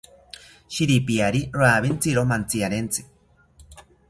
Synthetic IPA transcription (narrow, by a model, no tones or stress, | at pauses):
ʃiɾipiaɾiɾoaβint͡siɾomant͡siaɾent͡sɨ̥